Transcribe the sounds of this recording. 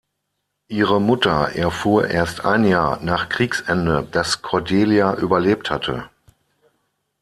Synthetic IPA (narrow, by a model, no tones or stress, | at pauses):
ʔiːʁəmʊtɐʔɛɐfuːɐʔeːɐstʔa̰ɪnjaːɐnaːχkʁ̥iːksʔɛndəd̥askʰɔɐdeːljaʔyːbɐleːp̚thatʰə̰